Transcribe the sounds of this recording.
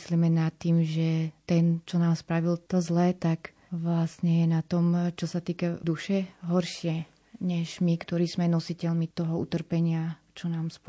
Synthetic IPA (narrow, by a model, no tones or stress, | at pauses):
sliːmɛnat̪ːiːmʒɛt̪ɛnt͡ʃɔnaːmspɾaʋilt̪ɔzlɛːt̪ak | ʋlasɲɛjɛnat̪ɔmt͡ʃɔsat̪iːkad̪uʃɛɦɔɾʃɪɛ | ɲɛʒmikt̪ɔɾiːzmɛnɔsicɛlmit̪ɔɦɔṵt̪r̩pɛɲɪa | t͡ʃɔnaːmsp